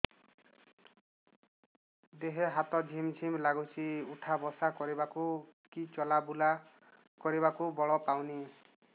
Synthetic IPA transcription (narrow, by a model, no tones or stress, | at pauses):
d̪eɦeɦat̪ɔd͡ʒʱimd͡ʒʰʱimlaɡut͡ʃʰiuʈʰabɔsakɔɾibakukit͡ʃɔlabula | kɔɾiβakubɔɭɔpawni